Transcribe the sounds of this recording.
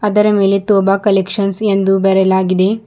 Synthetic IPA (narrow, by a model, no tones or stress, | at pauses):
ɐd̪ɐɾɐme̞ːlet̪oːbakɐlekʂɐnsend̪ubɛɾɛlaːɡid̪e̞